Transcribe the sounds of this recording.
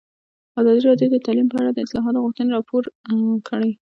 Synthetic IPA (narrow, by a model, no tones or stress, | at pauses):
ɑzɑd̪iɾɑdjod̪ət̪ɑlimpəaɽad̪əɪslɑɦɑt̪oɣuxt̪əneɾɑpʰoɾkʰəɽəj